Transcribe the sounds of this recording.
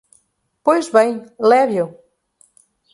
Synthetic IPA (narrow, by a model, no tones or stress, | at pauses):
pojzβẽj̃lɛβjo